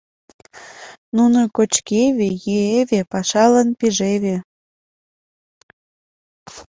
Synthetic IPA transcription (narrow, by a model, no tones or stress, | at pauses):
nunokot͡ɕkeβejyeβepɑʃɑlənpiʒeβe